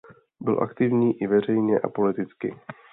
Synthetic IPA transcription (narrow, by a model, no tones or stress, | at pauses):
bɪlʔa̰kt̪ɪvɲiːʔɪvɛr̝ɛjɲɛʔa̰po̞lɪt̪ɪt͡skɪ̰